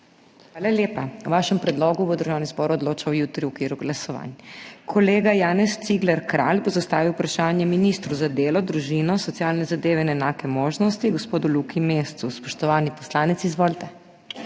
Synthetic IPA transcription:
xʋaːlaljeːpawʋaːʃɛmpɾɛd̪loɡuʋod̪əɾʒaːwnizbɔːɾuɔd̪loːt͡ʃawjut̪ɾiukʋiːɾuɡlasɔʋa̰nkʰɔleːɡajaːnɛst̪siɡlɛɾkɾa̰lbozast̪aːʋiwpɾaʃaːnjɛminist̪ɾuzad̪eːlɔd̪ɾuʒinɔsɔt̪sjalnɛzad̪eːʋɛinɛnaːkɛmoːʒnɔst̪iɡospoːd̪ulukʰimeːst̪suspɔʃt̪ɔʋaːnipɔslaːnɛt̪sizʋoːlt̪ɛ

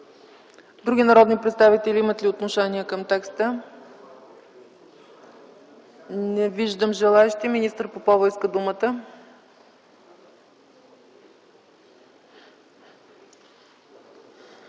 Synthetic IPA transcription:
d̪ɾuɡʲinɐɾɔd̪nipɾɛt̪st̪avit̪ɛlʲiimət̪lʲiot̪noʃɛniəkəmt̪ɛkst̪ə | nɛviʒd̪əmʒɛlˠaɛʃt̪iminist̪əɾpopɔvəjskəd̪umət̪ə

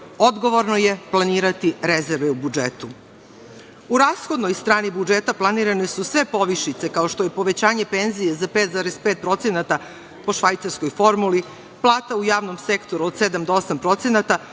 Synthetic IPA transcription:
o̞d̪ɡoʋo̞ɾnojeplˠaniːɾat̪iɾezeɾʋeubud͡ʒet̪u | uɾaːsxod̪nojst̪ɾaːnibud͡ʒet̪aplˠaniɾanesusʋe̞po̞ʋiʃit̪se̞kao̞ʃt̪oje̞po̞ʋe̞t͡ɕaːɲe̞penzijezapeːt̪zaːɾespeːt̪̚pɾo̞t̪senat̪a | po̞ʃʋajt̪saɾskojfo̞ɾmuli | plˠaːt̪aujaːʋnomsekt̪o̞ɾuod̪sed̪amd̪oosampɾo̞t̪senat̪a

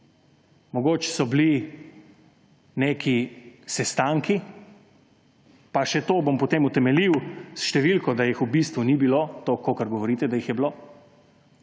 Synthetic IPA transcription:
mɔɡoːt͡ʃɛ̥sɔbli | neːkʰisɛst̪aŋki | paʃɛt̪oːbompɔt̪eːmut̪ɛmɛliwsʃt̪ɛʋilkɔd̪ajixubist̪ʋunibilot̪okokəɾɡɔʋɔɾiːt̪ɛd̪ajixjɛblo

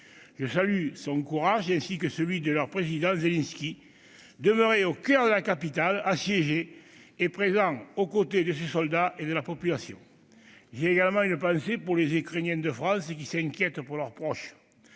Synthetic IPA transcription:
ʒəsalysɔ̃ŋkuʁaʒɛ̃sikəsəlɥid̪əlœʁpχezid̪ɑ̃zelɛ̃nskʲi | d̪əmøʁeokœʁd̪əlakapit̪alasjeʒeː | pχezɑ̃okot̪ed̪əsesɔld̪aʔed̪əlapɔpylasjɔ̰̃ | ʒeːɡaləmɑ̃ynəpɑ̃sepuʁlezikχenjɛ̃nd̪əfχɑ̃sək̬isɛ̃ŋkʲjɛt̪əpuʁlœʁpχɔʃə̥

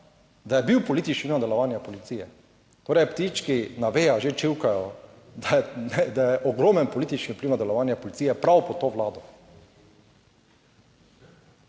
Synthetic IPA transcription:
d̪ajɛbiwpɔliːt̪it͡ʃninad̪ɛlɔʋaːnjapɔlit̪siːjɛ | t̪oːɾɛjpt̪it͡ʃkinaʋeːjaʒet͡ʃiwkajɔ | d̪ajɛnɛd̪ajɛʔɔɡɾoːmɛnpɔliːt̪it͡ʃnipliwnad̪ɛlɔʋaːnjapɔlit̪siːjɛpɾawpɔt̪oːʋlaːd̪ɔ

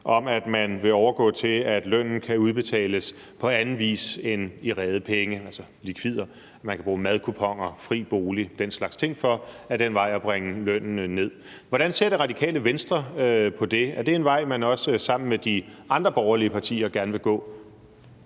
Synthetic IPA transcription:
ʔɒ̽mæd̥mænʋe̝ɒʊɐɡ̥ɔ̰̽ːt͡sʰe̝æd̥lœn̰n̩kʰæuð̞ˠb̥e̝t͡sʰɛ̰ːləs | pʰɒ̽ænn̩ˠʋḭːse̝niʁɛːð̞ˠəpʰeŋəælsɐ | likʰʋið̰ˠɐ | mænkʰæb̥ʁuːmæð̞ˠkʰupʰɒ̽ŋ̰ɐfʁḭːb̥o̝ːlid̥enslɑ̈ɡ̥st͡sʰe̝ŋ̰fɒ̽æɐd̥enʋɑ̈ɪ̰ɒb̥ʁɛŋəløn̰n̩ne̝ð̞̰ˠ | ʋɒɾ̥ænse̝ɐd̥eʁɑ̈d̥ikʰɛ̰ːləʋensd̥ʁɐpʰɒ̽d̥e̝æɐd̥e̝e̝nʋɑ̈ɪ̰mænɒ̽səsɑ̈m̰n̩med̥iʔɑ̈nd̥ʁɐb̥ɒʊɐliəpʰɑ̈t͡sʰḭːɐɡ̥æɐnəʋe̝ɡ̥ɔ̰̽ː

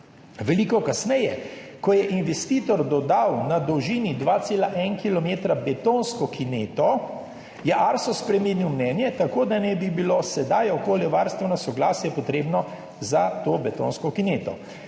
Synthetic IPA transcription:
ʋɛliːkɔkasnɛjɛkɔjɛʔinʋɛst̪iːt̪ɔɾd̪ɔd̪awnad̪ɔwʒiːnid̪ʋaːt̪seːlaʔɛnkilɔmeːt̪ɾabɛt̪onskɔkineːt̪ɔ | jɛʔaɾsɔspɾɛminiwmnɛːnjɛt̪akoːd̪anɛbibilosɛd̪ajɔkoːljɛʋaɾst̪ʋɛnasɔɡlaːsjɛpɔt̪ɾeːbnɔ | zat̪oːbɛt̪o̰ːnskɔkineːt̪ɔ̰

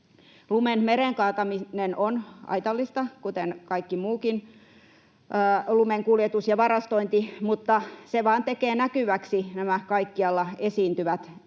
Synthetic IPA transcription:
lumenmeɾeŋkɑːt̪ɑminenonɑ̰it̪ɑlːist̪ɑkut̪enkɑikːimuːkin | lumeŋkuljet̪usjɑʋɑrɑst̪oint̪imut̪ːɑseʋɑːnt̪ekeːnækyʋæksinæmækɑikːiɑlːɑesiːnt̪yʋæt̪

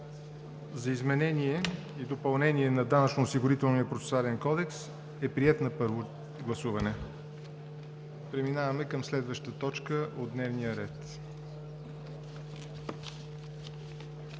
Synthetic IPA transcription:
zɐizmɛnɛniɛ | id̪opɐlˠnɛniɛnɐd̪anɐt͡ʃnoːsiɡʊɾit̪ɛlˠnijəpɾot̪sɛ̥soalɛnkɔd̪ɛks | ɛpɾiɛt̪nɐpɤɾvo | ɡlˠɐsuvɐnɛ | pɾɛminavɐmɛkəmslɛd̪vəʃt̪ət̪ɔt͡ʃkəʔod̪nɛvnijəɾɛt̪

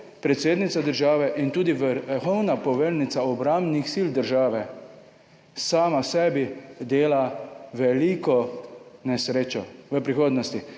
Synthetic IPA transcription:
pɾɛt̪seːd̪nit̪sad̪əɾʒaːʋɛʔint̪uːd̪iʋəxɔwnapɔʋelnit̪saɔbɾambnixsiːld̪əɾʒaːʋɛ | saːmasɛːbid̪eːlaʋɛlikɔnɛsɾeːt͡ʃɔʋəpɾixoːd̪nɔst̪i

